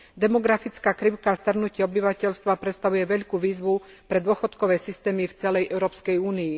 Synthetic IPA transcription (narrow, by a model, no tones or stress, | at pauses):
d̪ɛmɔɡɾafit͡skaːkɾiʊkast̪r̩nucɪɛɔbiʋacɛʎst̪ʋapɾɛt̪st̪aʋujɛʋɛʎkuːʋiːzʋu | pɾɛd̪ʊɔxɔt̪kɔʋɛːsist̪ɛːmift͡sɛlɛjʔɛʊɾɔːpskɛjuːnii